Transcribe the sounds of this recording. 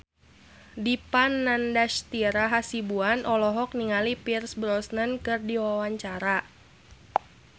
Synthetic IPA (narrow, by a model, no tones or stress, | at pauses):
dipanːandaʃt̪iɾaɦasibuanʔɔlɔɦɔk̚niŋalipirsbɾɔsnənkɨrdiwawaɲt͡ʃaɾa